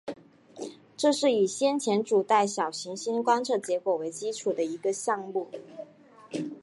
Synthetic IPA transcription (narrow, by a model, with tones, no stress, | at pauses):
ʈ͡ʂɤ˥˧ʂɻ̩˥˩i˨˩ɕjɛ˥nt͡ɕʰjɛ˧˥nʈ͡ʂu˨˩t̪a˥˩ɪɕjɑ˨˩ʊɕi˧˥ŋɕi˥nkwa˥nʈ͡ʂʰɤ˥˩t͡ɕjɛ˧˥kwɔ˨˩we˧˥ɪt͡ɕi˥ʈ͡ʂʰu˨˩d̪ə˦i˧˥ɡə˧ɕjɑ˥˧ŋmu˥˩